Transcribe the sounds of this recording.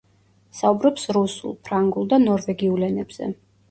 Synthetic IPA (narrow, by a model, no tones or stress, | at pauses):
saubɾɔpsɾusṵlˠpʰɾaŋɡulˠd̪anɔɾvɛɡiulɛnɛb̥z̥ɛ̰